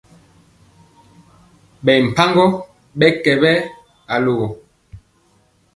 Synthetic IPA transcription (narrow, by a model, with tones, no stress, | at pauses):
ɓɛ˨m̩˨pa˦ŋɡɔ˦ | ɓɛ˦kɛ˨bɛ˦ | a˨lo˨ɣo˨